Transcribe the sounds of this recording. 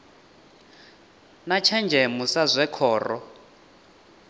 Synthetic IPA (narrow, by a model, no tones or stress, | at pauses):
nat͡ʃʰɛnd͡ʒʱɛmusazʷɛkʰɔːrɔ̰